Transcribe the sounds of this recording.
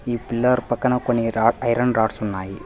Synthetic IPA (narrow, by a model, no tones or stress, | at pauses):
iːpilːɐɾpɐkːɐnɐkoɳiɾaːɐjɾɐɳɾaːɖsunːaːji